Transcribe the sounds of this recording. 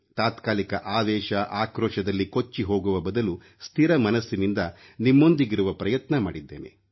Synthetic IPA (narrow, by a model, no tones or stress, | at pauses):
t̪aːt̪kaːlikɐʔaːʋɛːʃɐʔaːkɾɔːʃɐd̪ɐlːikot͡ʃːiɦo̞ːɡuʋɐbɐd̪ɐlu | st̪ʰiɾɐmɐnɐsːinind̪ɐ | nimːond̪iɡiɾuʋɐpɾɐjɐt̪nɐma̰ːɽid̪ːeːne